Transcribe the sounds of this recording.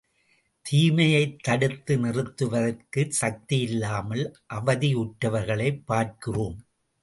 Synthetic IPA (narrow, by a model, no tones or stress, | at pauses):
t̪ʰiːmɐjɐɪt̪ːɐɽɯt̪ːɯnɪrɯt̪ːɯʋɐðɯkːɯsɐk̚t̪ɪjɪlːaːmɐlʔɐʋɐðiʊʈːɐʋɐɾɣɐɭɐɪpːaːrkɯruːm